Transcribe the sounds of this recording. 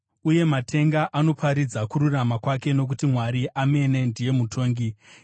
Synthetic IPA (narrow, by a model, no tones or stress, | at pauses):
uje̞matʰe̞ŋɡaʔano̞pʰaɾid͡zakuɾuramakwake̞no̞k̬utimwaɾiʔame̞ne̞ndije̞mutʰo̞ːŋɡi